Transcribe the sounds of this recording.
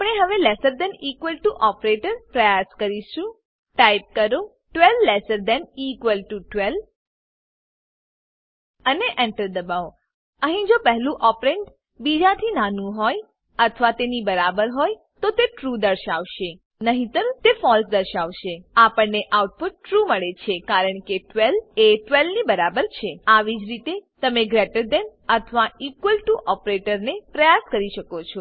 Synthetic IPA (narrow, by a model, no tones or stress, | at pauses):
apəɳ̃eɦəʋelesəɾd̪ɛnikʋəlʈuʔɔpɾeʈəɾpɾəjaskəɾiʃũ | ʈajp̚kəɾo | ʈʋɛlːesəɾd̪ɛnikʋəlʈuʈʋɛl | əneʔɛɳʈəɾd̪əbao | əɦĩd͡ʒopəɦlũʔɔpɾeɳɖ | bid͡ʒat̪ʰinanũɦoj | ət̪ʰəʋat̪enibəɾabəɾɦoj | t̪ot̪eʈɾud̪əɾʃaʋʃe | nəɦĩt̪əɾũt̪efɔlsd̪əɾʃaʋʃeapəɳːeʔawʈ̚puʈ̚ːɾuməɭet͡ʃʰekaɾəɳkeʈʋeleʈʋelnibəɾabəɾt͡ʃʰeaʋid͡ʒɾit̪et̪əmeɡɾeʈəɾd̪enət̪ʰʋaikʋəlʈuʔɔpɾeʈəɾnepɾəjaskəɾiʃəkot͡ʃʰo